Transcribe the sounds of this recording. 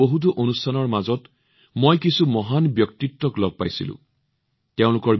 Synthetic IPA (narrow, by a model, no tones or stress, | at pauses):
oɦut̬uʔonustʰanɔɹmazɔt | mojkisumɔɦanbjɔktitːɔklɔɡ̚pajsḭlʊ̰̃ | teʊ̃lʊkɔɹ